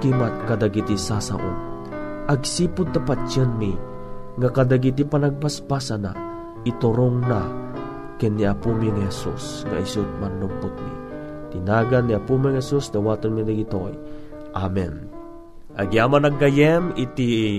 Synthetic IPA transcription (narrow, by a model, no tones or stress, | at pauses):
kimat̪̚kad̪aɡit̪isasa̰ʔʊ̰n | ʔaɡsiːpʊd̪̚t̪apat͡ʃənmi | ŋakad̪aɡit̪̬ipanaɡ̚paspasana̰ | it̪ʊɾʊŋna | kɛnːiapumiŋhɛsṵsŋa̰isʊt̪̚manːʊmpʊt̪̚mḭ | t̪inaɡanːiapumiŋhɛsusd̪ɐwaːt̪onmid̪aɡit̪oj | ʔamɛ̰n | ʔaɡjamanaɡːajɛmit̪i